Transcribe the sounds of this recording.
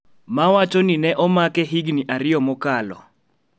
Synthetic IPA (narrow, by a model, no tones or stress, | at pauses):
mawat͡ʃɔninɛʔɔmakɛɦiɡniʔaɾɪjɔmɔkalɔ̰